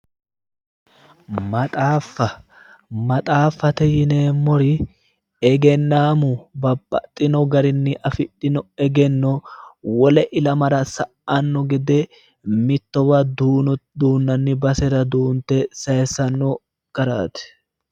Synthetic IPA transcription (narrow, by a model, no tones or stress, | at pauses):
mɐt̪ʼaːfːɐ | mɐt̪ʼaːfːɐt̪ɛjɪneːmːɔɾɪ | ɛɡɛnːaːmʊbɐbʼɐt̪ʼːɪnɔɡɐɾɪnːɪʔɐfɪᶑɪnɔɛɡɛnːɔwɔlɛʔɪlɐmɐɾɐsɐʔanːɔɡɛd̪ɛ | mɪt̪ːɔbɐd̪ud̪uːnːɐnːɪbɐsɛɾɐd̪uːnt̪ɛsɐjɛsɐnːɔ | ɡ̥ɐɾa̰ːt̪ɛ̥